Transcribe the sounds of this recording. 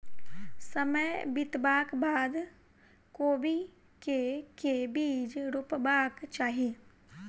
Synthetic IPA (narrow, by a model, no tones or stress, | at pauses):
səməjbɪt̪baːkbaːd̪ | koːbi | kekebiːd͡ʒɾʊpbaːkt͡ʃaːɦieː